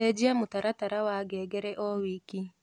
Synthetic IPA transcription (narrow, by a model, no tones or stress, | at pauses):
ed͡ʒiamʊtaɾataɾawaɡɛɡɛɾɛʔɔwiki